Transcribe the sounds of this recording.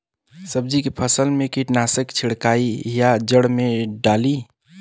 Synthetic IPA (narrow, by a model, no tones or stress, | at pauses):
səb̚d͡ʒikepʰəsəlmekiʈnasəkt͡ʃʰiɽkaijad͡ʒəɽmeɖali